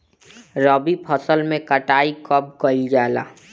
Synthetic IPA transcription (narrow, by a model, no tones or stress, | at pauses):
ɾɔːbipʰəsəlmẽkəʈaːikɔp̚ɡəɪld͡ʒaːla̰ː